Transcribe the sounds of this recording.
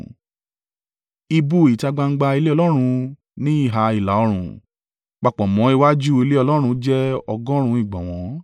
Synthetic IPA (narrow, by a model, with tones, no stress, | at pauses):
i˧bu˧˦i˨ta˧ɡ͡ba˧ŋ̩˦ɡ͡ba˧i˧le˦ɔ˧lɔ˦ɾ̃ũ˧ | nĩ˦i˦˨ɦa˨˧i˨la˨˦ɔ˧ɾ̃ũ˨ | k͡pa˨k͡pɔ̃˨mɔ̃˨˦i˧wa˦d͡ʒu˦i˧le˦ɔ˧lɔ˦ɾ̃ũ˧˦d͡ʒɛ˦ɔ˧ɡɔ̃˦ɾ̃ũ˧i˦˨ɡ͡bɔ̃˨w̃ɔ̃˨˦